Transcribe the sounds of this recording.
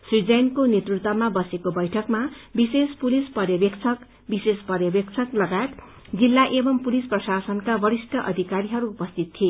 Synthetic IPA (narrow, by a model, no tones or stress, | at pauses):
srid͡zʌjnkonet̪rut̪wʌmabʌsekobʌjʈʰʌkmabisespulispʌrjʌbjʌkt͡sʰʌk | bisespʌrjʌbjʌk̚t͡sʰʌklʌɡat̪ | d͡zilːaʔebʌmpulisprʌsasʌnkabʌɾisʈʰʌʔʌ̰d̪ʱikaɾiɦʌɾuːpʌst̪ʰit̪̚t̪ʰie